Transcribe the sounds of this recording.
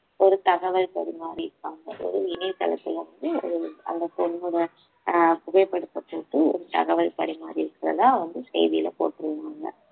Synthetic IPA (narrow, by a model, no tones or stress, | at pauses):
ɔɾɯt̪ɐɣɐʋɐlpɐɽɪmaːɾiɪɾɯpːaːŋɡɐʔɔ̰ɾɯɪnɛt̪ːɐ̰lɐ̰t̪ːɪlɐʋɐnd̪ɯɔ̰ɾɯɐ̰nd̪ɐpɔnmuɾɐ | pʊɣɐɪpːɐɽɯt̪ːɐpːoːʈːɯɔ̰ɾɯt̪ɐ̰ɣɐʋɐlpɐɽɪmaːɾiɪɾɯkːɪɾɐ̰ðãːʋɐnd̪ɯsɛ̰jðɪjɪlɐpo̰ːʈːɯɾɯʋaːŋɡɐ̰